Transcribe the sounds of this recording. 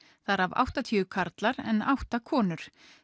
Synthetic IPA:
θaɾava̰wht̪at̪ʰiːʏkʰaɾt̪laɾɛ̰na̰wht̪akʰɔːnʏɾ̥

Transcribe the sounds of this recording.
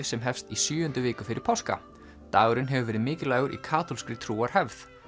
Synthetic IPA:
sɛmɦɛfst̪isjʏːʏnt̪ʏvɪːkʏfɪɾʔɪɾpʰawska̰ | t̪aːɣɾɪnɦɛvʏvɛːɾɪðmɪːcɪlaːjɣʏɾʔḭkʰaːt̪ʰɔlskɾɪt̪ʰɾuːaɾ̥hɛvθ

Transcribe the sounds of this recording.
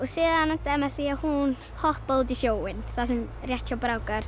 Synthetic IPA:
ɔsɨðanadɛmɛθiahun | hɔhbɔlˠdiʃjowɪnθasɪmrjatʰjawbɾawɡar

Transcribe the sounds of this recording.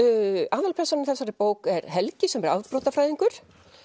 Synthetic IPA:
aːðalpʰɛɾsanʏmθɛsaɾɪpoːwkɛɾɦɛlcɪsɛmɛɾaðpɾɔːt̪afɾajðiŋkʏɾ̥

